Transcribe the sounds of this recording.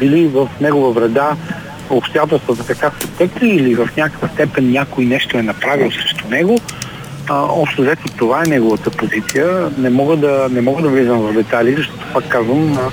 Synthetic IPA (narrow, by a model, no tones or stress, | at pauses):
bilivəfnɛɡovəvɾɛd̪a | opst̪ojat̪ɛlˠst̪vət̪ɐt̪ɐkasɛt̪ɛkt̪iːlivɐfnʲakə̥kvəst̪ɛpɛnːʲjakoinɛʃt̪oɛnɐpɾavilˠosɾɛʃt̪onɛɡo | ɔpʃt̪ozɛt̪ʲit̪ovaɛnɛɡovət̪əpozit̪sijənɛmɔɡəd̪ɐnɛmɔɡəd̪ɐvlizəmvɐvd̪ɛt̪alizɐʃt̪ɔt̪o̥pakːazvəm